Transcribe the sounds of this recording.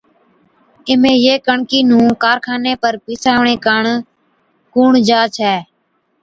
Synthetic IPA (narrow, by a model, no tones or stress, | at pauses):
ɪmẽːjeːkəɳkiːnũːkaːɾkʰaːneːpəɾpiːsaːʋɳẽːkəɳ | kuːɳd͡ʒaːt͡ʃʰɛː